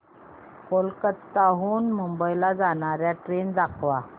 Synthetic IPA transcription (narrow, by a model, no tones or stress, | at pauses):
kolkətt̪ːaɦuːnmumbəjlad͡zaɽ̃aɾjaʈɾend͡zakʰʋa